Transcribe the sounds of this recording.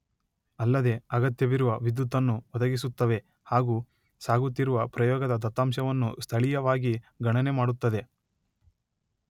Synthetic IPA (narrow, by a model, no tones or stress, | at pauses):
ɐlːɐd̪e̞ɐɡɐt̪jɐʋiɾuʋɐʋid̪ːut̪ːɐnːuʋɔd̪ɐɡisut̪ːɐʋe̞ | haːɡuː | saːɡut̪ːiɾuʋɐpɾɐjɔːɡɐd̪ɐd̪ɐt̪ːaːmʃɐʋɐnːṵst̪ʰɐɭijɐʋaːɡiɡɐɳɐne̞maːɽut̪ːɐd̪e̞